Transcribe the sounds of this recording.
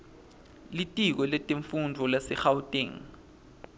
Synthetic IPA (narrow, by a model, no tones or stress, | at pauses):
litʼik̬ɔlɛtʼeɱfundʱɔlasɛxawtʼiŋ